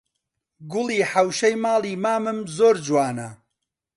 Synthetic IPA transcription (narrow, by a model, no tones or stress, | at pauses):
ɡʊlˠiːħɐwʃɐjmaːlˠiːmaːmɨmzoːɾd͡ʒwaːnɐ